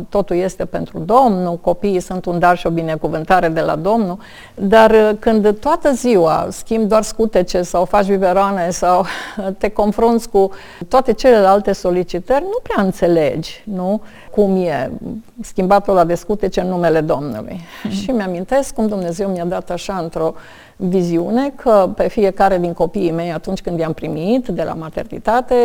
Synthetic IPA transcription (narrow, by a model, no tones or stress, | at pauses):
t̪o̞t̪ulje̞st̪e̞pe̞nt̪ɾud̪o̞mnuko̞piːsunt̪und̪arʃio̞bine̞kuvɨnt̪aɾe̞d̪e̞la̰d̪o̞mnu | d̪arkɨnd̪t̪oat̪əziwa̰skʲimbd̪oarskut̪et͡ʃe̞sawfat͡ʃʲviveɾoane̞sawt̪e̞ko̞nfɾunt̪sʲku | t̪oat̪e̞t͡ʃe̞le̞lalt̪e̞so̞lit͡ʃit̪ərʲnupɾeaɨnt̪se̞le̞d͡ʒʲnu | kumjeskʲimbat̪olad̪e̞skut̪et͡ʃeɨnːume̞le̞d̪o̞mnṵlṵjʃimeamĩnt̪e̞skːumd̪umne̞ze̞wmiad̪at̪aʃaɨnt̪ɾo̞ | viziune̞kʰəpe̞fije̞kaɾe̞d̪inko̞piːme̞jat̪unt͡ʃʲkɨnd̪jampɾimit̪d̪e̞lʔa̰mat̪e̞̰rnḭt̪at̪e̞